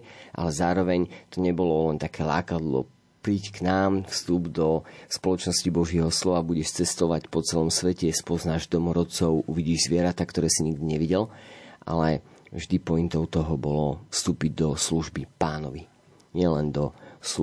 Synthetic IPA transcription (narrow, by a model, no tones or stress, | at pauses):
ʔa̰lɛzaːɾɔʋɛɲt̪ɔɲɛbɔlɔlɛnt̪akɛːla̰ːkad̪lɔ̰ | pɾiːcknaːmfst̪uːbd̪ɔspɔlɔt͡ʃnɔscibɔʒɪɛɦɔslɔʋabuɟɛʃt͡sɛst̪ɔʋacpɔt͡sɛlɔmsʋɛcɛspɔznaːʒd̪ɔmɔɾɔt͡sɔʊʔuʋiɟiːʒzʋɪɛɾat̪akt̪ɔɾɛːsiɲiɡ̚d̪iɲɛʋiɟɛlʔa̰lɛ | vʒd̪ipɔint̪ɔʊt̪ɔɦɔbɔlɔfst̪uːpiɟd̪ɔsluʒbipaːnɔʋi | ɲɪɛlɛnd̪ɔs